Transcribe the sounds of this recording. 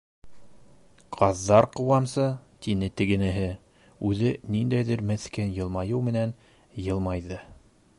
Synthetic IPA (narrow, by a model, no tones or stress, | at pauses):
qʰɑðːɑɾqɤ̆wɑmsɤt̪inɘt̪ɘ̆ɡɘ̆nɘ̆ɦɘ | ʉðɘnind̪æjðɘɾmɘ̆θkænjɤ̆lˠmɑjɤwmɘ̆næn | jɤ̆lˠmɑjðɤ